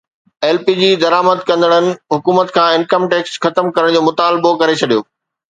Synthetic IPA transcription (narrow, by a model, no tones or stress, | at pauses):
ɛːlpid͡ʑiːd̪ɐɾaːməd̪kɐ̃nd̪əɽ̃ənɪ̆ɦʊkuːmət̪kʰãːɪnkəmʈeːksxɐt̪əmkɐɾəɽ̃d͡ʑoːmʊt̪aːlbokɐɾet͡ɕʰɐɗijoː